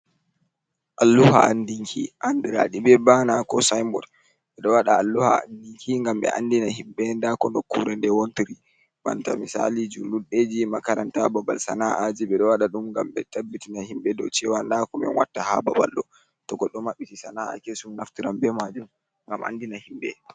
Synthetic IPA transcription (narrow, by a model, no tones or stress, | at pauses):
ʔalːuha̰andiŋkʰiʔandiɾa̰ɗibɛbanakɔsajmbɔd | ɓɛɗɔwaɗaalːuha̰a̰ndiŋkʰiŋɡambɛ̰ʔandinahimbɛndakɔndɔkːuɾɛndɛwontiɾi | ma̰ntamisa̰lid͡ʒuluɗed͡ʒimakaɾantababa̰lsa̰naʔad͡ʒiɓɛɗɔwaɗaɗumŋɡamɓɛtabːitinahimbɛdɔ̰t͡ʃɛwandakɔmɛ̰nwa̰tːaha̰baba̰lɗɔ | tɔɡɔɗɔmaɓːitisanaa̰kesumnaftiɾambɛmad͡ʒum | ŋɡama̰ndinahimbɛ